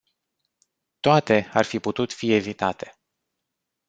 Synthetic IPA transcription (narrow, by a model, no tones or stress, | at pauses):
t̪oat̪e̞arfiput̪ut̪fie̞vit̪at̪ʰe̞̥